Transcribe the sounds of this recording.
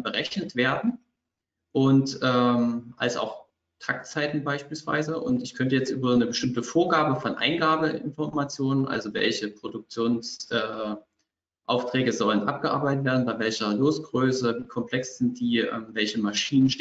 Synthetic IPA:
b̥əʁɛçnətv̥eːɐdn̩ | ʔʊntʔɛːmʔa̰lsa̰ʊx | tʰakt͡saɪtn̩baɪʃpiːlsv̥a̰ɪzəʔʊ̰ntɪçkʰœntəjɛt͡stʔyːbɐnəbəʃtɪmtəfoːɐɡaːbəfɔnʔa̰ɪnɡaːbəɪ̰nfɔɐmat͡sjoːnənʔa̰lzovɛ̰lçəpʁ̥odʊk̚t͡sjoːnsʔɛː | ʔa̰ʊftʁ̥ɛːɡəzɔlənʔap̚ɡ̥əʔa̰ɐbaɪtətv̥eːɐdn̩baɪvɛlçɐloːsɡ̥ʁøːsəviːkʰɔmpl̥ɛksz̥ɪnt̚d̥iːʔɛ̰ːmvɛlçəmaʃiːnənʃ

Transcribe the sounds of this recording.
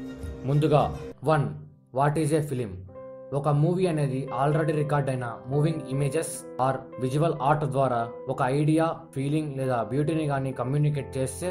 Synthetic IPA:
mund̪uɡaːʋɐn | ʋaːʈid͡ʒepʰilim | ɔkɐmuːʋiɐne̞ːd̪iʔaːlɾeɽiɾikaːɾɖɐjnɐmuːʋiŋɡimeːd͡ʒes | aːɾʋid͡ʒuʋɐlaːɾʈd̪ʋaːɾaːɔkɐɐjɖijaːpʰiːliŋɡleːd̪aːbjuːʈiniɡaːnikɐmjuːnik̬eːʈ̚t͡ʃeːst̪e

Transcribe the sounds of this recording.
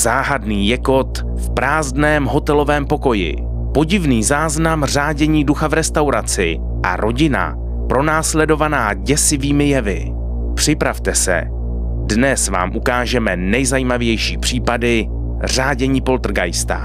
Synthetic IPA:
zaːɦadniːjɛko̞t̪ | fpɾaːzdnɛːmɦo̞t̪ɛlo̞vɛːmpo̞ko̞jɪ̰ | po̞ɟɪvniːzaːznamr̝aːɟɛɲiːduxavɾɛst̪awɾat͡sɪ | ʔa̰ɾʔo̞ɟɪna̰ | pɾo̞naːslɛdo̞vanaːɟɛsɪviːmɪjɛvɪ̰ | pr̝̥ɪpɾaft̪ɛsɛ̰ | dnɛsva̰ːmʔukaːʒɛmɛnɛjzajiːmavjɛjʃiːpr̝̥iːpadɪ | r̝aːɟɛɲiːpo̞lt̪r̩ɡajst̪a̰

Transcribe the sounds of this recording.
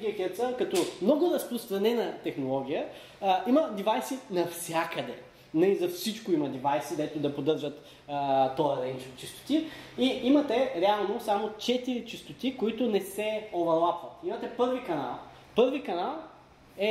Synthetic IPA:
ɡʲiɐkʲɛɾt̪səkɐt̪ɔmnɔɡʊɾɐspʊst̪ɾɐnɛnɐt̪ɛxnolˠɔɡ̟ʲijə | iməd̪ivajsinɐfsʲjakəd̪ɛ̰ | nɐizɐfsit͡ʃkoimɐd̪ivajsid̪ɛt̪ʊd̪ɐpod̪ɤɾʒət̪ː | t̪ɔɐɾɛnt͡ʃot͡ʃist̪o̥t̪iiimɐt̪ɛɾɛalˠnosamot͡ʃɛt̪iɾit͡ʃist̪ot̪ikoit̪ʊnɛsɛovɐlˠapvɐt̪imɐt̪ɛpɤɾvikɐnalˠ | pɤɾvikɐnalˠ | ɛ

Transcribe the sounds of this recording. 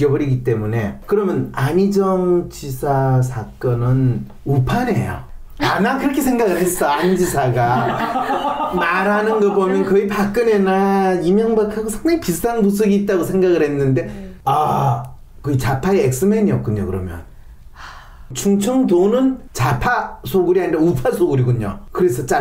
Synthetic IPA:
ʌbʌɾiɡit͈e̞mune̞kɯɾʌmjʌnamid͡ʑʌmt͡ɕisʰasʰak͈ʌnɯn | upʰane̞̰jo̰ | amakɯɾʌkʰe̞sʰe̞ŋɡaɡɯɭɦe̞s͈ʌamd͡ʑisʰaɡa | maɾɦanɯnɡʌbomjʌnkʌipak͈ɯne̞naimjʌŋbakʰaɡosʰaŋdaŋipist͈ʰaŋbusʰɯɡiːt̚t͈aɡosʰe̞ŋɡaɣɯɭɦe̞nːɯnde̞a | kɯit͡ɕapʰaeek̚s͈ɯme̞ɲiʌk͈̚uɲːo̰kɯɾʌ̰mjʌ̰n | t͡ɕʰuŋt͡ɕʰʌŋdonɯnt͡ɕapʰasʰoɡɯɾiɦaɲiɾaupʰasʰoɡuɾiɡuɲo̰kɯɾe̞sʰʌt͡ɕ͈a

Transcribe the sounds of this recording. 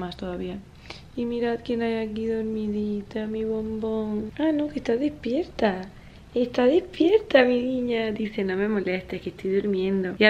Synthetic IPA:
mast̪oðaβia | imiɾaðkenajakiðoɾmiðit̪amiβo̞mboŋanokest̪aðespje̞ɾt̪a | est̪aðespjeɾt̪aminiɲad̪ise̞no̞me̞mo̞lest̪ehkest̪ojðuɾmje̞nd̪o̞ia

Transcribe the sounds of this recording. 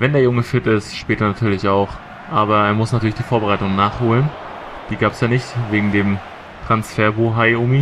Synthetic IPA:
vɛndeːɐjʊŋəfɪtɪstʃpɛːtɐnatʰyːɐlɪçaʊx | ʔaːbɐeːɐmʊsnatʰyːɐlɪçd̥iːfoːɐbəʁ̞aɪtʊŋnaːχhoːlən | d̥iːɡaːpɛsjaːnɪçtveːɡŋ̩deːm | tʁ̥ansfɛːɐboːɦaɪʔʊːmi

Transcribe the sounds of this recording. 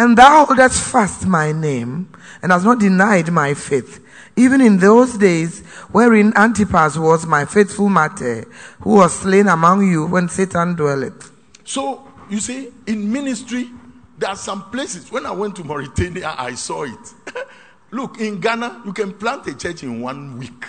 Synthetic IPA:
ɛ̃nðaʊoldəsfastmaɪnẽm | ɛ̃nhaznɔt̚dinaɪdmaɪfeθ | ivɨ̃nĩnðozdez | wɛɹĩnãntipaswɔzmaɪfeθfulˠmatʰəhuwɔz̥slẽnəmɔ̃ŋjuwɛ̃nsetʰãndwɛlɛt | sojusiĩnministɹidɛasɔ̃mplesiswɛ̃naɪwɛ̃ntːumɔɹitʰenia̰ʔa̰ɪsɔit | lukĩnɡanajukɛ̃nplãntet͡ʃɛt͡ʃĩnwãnwik

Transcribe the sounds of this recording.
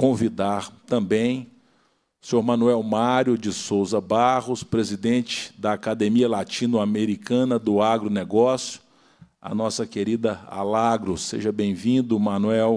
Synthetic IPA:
kõvid̪aɾt̪ɐ̃bẽj̃ | seoɾmɐ̃nuɛwmaɾjʊd͡ʒɪsowzɐbaɦʊspɾezid̪ẽt͡ʃɪ̥d̪ɐːkad̪emiɐlat͡ʃĩnʊameɾikɐ̃nɐd̪ʊaɡɾʊnɛɡɔsjʊ̥ | ɐ̰nɔsɐkeɾid̪ɐa̰laɡɾʊsḛʒɐbẽj̃vĩnd̪ʊmɐnuɛw

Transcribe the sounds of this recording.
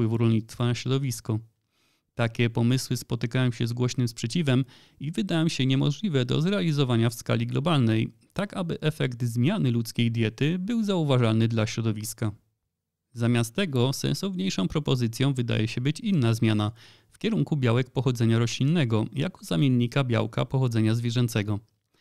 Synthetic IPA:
pwɘvuɾɔlɲit̪st̪fanaɕɾɔd̪ɔvʲiskɔ | t̪akʲɛpɔmɘswɘspɔt̪ɘkajɔ̃wɕɛzɡwɔɕnɘmspʂɛt͡ɕivɛm | ivɘd̪ajɔ̃wɕɛɲɛmɔ̰ʐlʲivɛd̪ɔ̰zɾɛalʲizɔvaɲafska̰lʲiɡlɔbalnɛjt̪akabɘʔɛfɛkt̪zmʲjanɘlut̪skʲejd̪ʲjɛt̪ɘbɘwzauvaʐalnɘd̪laɕɾɔd̪ɔvʲiska | zamʲjast̪ːɛɡɔsɛ̰nsɔvɲejʂɔ̃w̃pɾɔpɔzɘt̪sʲjɔ̃w̃vɘd̪a̰jɛɕɛbɘt͡ɕinːazmʲjana | fkʲɛɾuŋkubʲjawɛk̚pɔxɔd̪zɛɲaɾɔɕlʲinːɛɡɔja̰kɔ̥zamʲjenːikabʲja̰wka̰pɔxɔd̪zɛɲazvʲjɛʐɛnt̪sɛɡɔ

